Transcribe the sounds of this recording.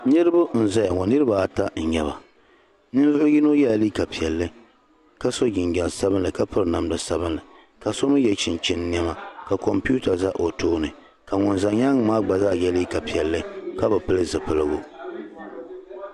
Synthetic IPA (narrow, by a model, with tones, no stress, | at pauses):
nɨ˦ɾɨ˦bʊ˦n̩˨za˦ja˨ŋɔ˨nɨ˦ɾɨ˦ba˨ta˦n̩˨ɲɛ˦ba˨ | nɨ˦n˦zʊ˦jɪ˦no˦jɛ˦˨liː˦ka˨pi˨ɛ˨lːɨ˦ | ka˦so˦ɡɪ˨ŋɡʲɛ˨lsa˦bɨ˦nlɨ˨ka˦pɨ˦ɾɨ˦na˨mdɨ˨sa˦bɨ˦nlɨ˨ | ka˨so˦mɨ˦jɛ˨t͡ʃɪ˨nt͡ʃɪ˦n˦ni˦ɛ˦ma˨ka˨kɔ˨mpu˦ta˨za˦ʔo˨toː˦nɨ˨ | ka˨ŋʊ˨nza˨ɲa˦ŋ˦maː˦ɡ͡ba˨za˦˨jɛ˦li˦ka˨pi˨ɛ˨lːɨ˦ka˦bɨ˨pɨ˦lɨ˦zɨ˨pɨ˨lɨ˦ɡʊ˦